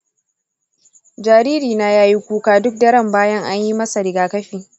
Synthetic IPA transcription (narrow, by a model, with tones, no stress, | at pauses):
d͡ʒaː˨ɾiː˦ɾiː˨na˦jaː˦ji˦kʷuː˦kaː˦dʊ˦k̚dɐ˦ɾɐ˦˨mbaː˦jɐ˦ŋʔa˦ɲji˦mɐ˦sa˨ɾɪ˨ɡaː˨kɐ˦ɸiː˨